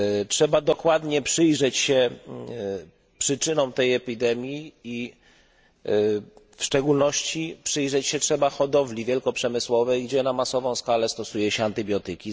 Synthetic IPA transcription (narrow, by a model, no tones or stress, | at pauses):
t͡ʂʂɛbad̪ɔkwad̪ɲɛpʂɘjʐɛt͡ɕɕɛ | pʂɘt͡ʂɘnɔ̃w̃t̪ɛjɛpʲid̪ɛmʲjii | fʂt͡ʂɛɡulnɔɕt͡ɕipʂɘjʐɛt͡ɕɕɛtʂɛbaxɔd̪ɔvlʲivʲjɛlkɔpʂɛmɘswɔvɛjɡd͡ʑɛnamasɔvɔ̃w̃skalɛst̪ɔsujɛɕɛant̪ɘbʲjɔt̪ɘkʲi